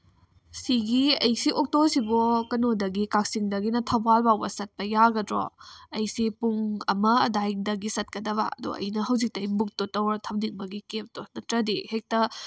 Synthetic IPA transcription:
siɡiɐjsiʔok̚tosibukɐnodɐɡikak̚siŋdɐɡinɐtʰɐbalbawbɐsɐt̚pɐjaɡɐdɾo̰ɐjsipuŋɐmɐɐdajdɐɡisɐt̚kɐdɐβɐ̰ɐ̰dṵɐ̰jnɐɦɐwzik̚tɐjbuk̚totɐwɾtʰɐmdik̚mɐɡikep̚tonɐtɾɐdihek̚tɐ

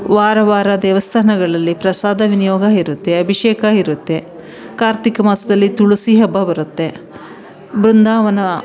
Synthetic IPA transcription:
ʋaːɾɐʋaːɾɐd̪ɛːʋɐst̪ʰanɐɡɐɭɐlːipɾɐsaːd̪ɐʋinijɔːɡaːiɾut̪ːeɐbʱiʃeːkaiɾut̪ːe̞ | kaːɾt̪ikɐmaːsɐd̪ɐlːit̪uɭusiɦɐbʱːɐbɐɾut̪ːe̞ | bɾund̪aːʋɐnɐ

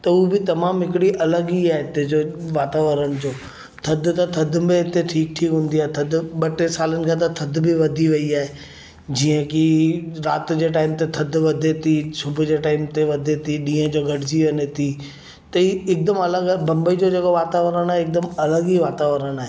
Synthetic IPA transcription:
t̪ɐubɪt̪ɐmaːmɦɪkɪɽiʔɐləɡiaːɦet̪ed͡ʑoʋaːt̪aːʋəɾəɽ̃ɪd͡ʑoː | t̪ʰɐd̪ʱt̪ɐt̪ʰɐd̪ʱmẽɦɪt̪eʈʰiːk̚ʈʰiːkɦũːn̆d̪iaːɦet̪ʰɐd̪ʱɓɐʈesaːlənɪ̆kʰãːt̪̬ɐt̪ʰɐd̪ʱbʱɪʋɐd̪ʱiʋɐiaːɦe | d͡ʑiːə̃kiɾaːt̪d͡ʑeːʈaːɪmt̪et̪ʰɐd̪ʱʋɐd̪ʱet̪ʰisʊbʱʊd͡ʑeːʈaːɪmt̪eʋɐd̪ʱet̪ʰiɗĩːə̃d͡ʑoːɡʱɐɽɪd͡ʑiʋɐnet̪ʰi | t̪ɐiɪk̚d̪əmɐləɡabɐ̃mbəid͡ʑod͡ʑekoʋaːt̪aːʋəɾəɽ̃aːɦeɪk̚d̪əmɐləɡiʋaːt̪aːʋəɾəɽ̃aːɦe

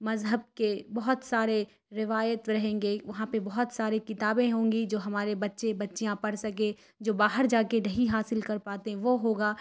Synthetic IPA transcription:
mɐzɦəb̚kebɐɦʊt̪saːɾe | ɾɪʋaːjət̪ɾɐɦẽːŋɡeʋɐɦãpebɐɦʊt̪saːɾekɪt̪aːbẽɦõːŋɡid͡ʒoːɦɐmaːɾebɐtːʃebɐtːʃijãpɐɽsɐk̬ẽ | d͡ʒoːbaːɦəɾd͡ʒaːkenɐɦiɦaːsɪlkɐɾpaːt̪eɦɛ̃ʋoɦoːɡaː

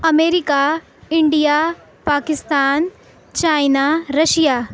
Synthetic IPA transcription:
ɐmeːɾika | ɪɳɖijaː | paːkɪst̪aːn | t͡ɕaːjnaɾɐʃijaː

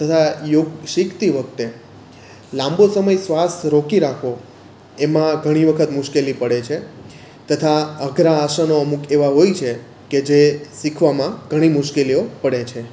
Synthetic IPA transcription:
t̪ət̪ʰajoɡʃikt̪iʋək̚t̪e | lãmbosəməjsʋasɾokiɾakʰʋo | emãɡʱəɽ̃iʋəkʰət̪mʊʃkelipəɽet͡ʃʰe | t̪ət̪ʰaəɡɾaːʃənoəmukeʋaɦojt͡ʃʰe | ked͡ʒesikʰʋamãɡʱəɽ̃imʊʃkeliopəɽet͡ʃʰe

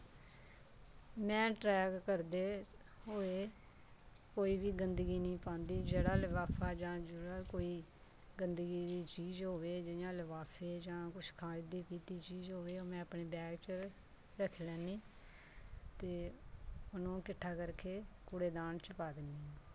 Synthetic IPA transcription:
mɛ̃ːʈɾɛːɡkəɾd̪eː | ɦoːeː | koːiːbiːɡənd̪əɡiːnĩːpãːnd̪iːd͡ʒeːɽaːləʋaːpʰaːd͡ʒãːd͡ʒeːɽaːkoːiː | ɡənd̪əɡiːd̪iːt͡ʃiːzɦoːʋeːd͡ʒɪjãːləʋaːpʰeːd͡ʒãːkʊt͡ʃʰkʰaːid̪iːpiːt̪iːt͡ʃiːzɦoːʋeːoːmɛ̃ːəpɳeːbɛːɡt͡ʃə | ɾəkʰlɛːniː | t̪eː | ʊnõːkɪʈʰːaːkəɾkeːkʊɽeːd̪aːnt͡ʃəpaːd̪ɪnd̪iːɦːãː

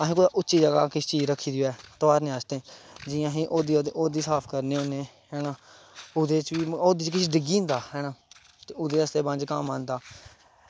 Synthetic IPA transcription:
aɦĩːkoːd̪aːʔʊtːt͡ʃʃiːd͡ʒəɡaːkɪʃt͡ʃiːd͡ʒɾəkʰiːd̪ijoːɛːt̪oʋaːɾnẽːəːst̪ẽːd͡ʒɪːjãːɦiːʔoːd̪iʔoːd̪iːsaːpʰkəɾneːoːneː | ɦɛːnãː | ʊd̪eːt͡ʃʋiːoːd̪iːt͡ʃkɪʃiɖɪɡĩːnd̪aːɦɛːnãː | t̪eːʊd̪eːəst̪eːbãnd͡ʒkəmãːnd̪aː

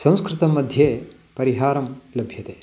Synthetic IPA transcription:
sɐ̃w̃skɾɪt̪ɐmːɐd̪ʱjeː | pɐɾiɦaːɾɐmlɐbʱjɐt̪eː

